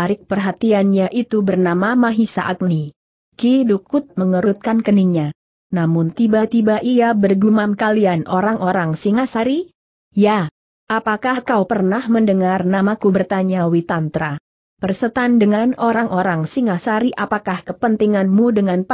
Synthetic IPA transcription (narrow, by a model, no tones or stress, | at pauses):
aɾɪk̚pərɦat̪ianɲaʔit̪ubərnamamaɦisa̰ʔak̚ni | kidukʊt̪̚məŋəɾt̪̚kankəniɲa | namʊnt̪ibat̪ibaʔiabərɡumamkalianʔoɾaŋʔoɾaŋsiŋasaɾi | ja | ʔapakahkawpərnahməndəŋarnamakubərt̪aɲawit̪ant̪ɾa | pərsət̪andəŋanoɾaŋʔoɾaŋsiŋasaɾiʔapakahkəpənt̪iŋanmudəŋanp